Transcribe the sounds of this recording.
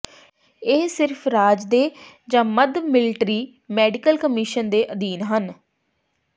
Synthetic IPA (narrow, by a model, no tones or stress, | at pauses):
eːsɪɾpʰɾaːd͡ʒd̪eːd͡ʒãːməd̪mɪlɪʈɾiː | mɛːɖɪkəlkəmɪʃənd̪eːʔəd̪iːnɦən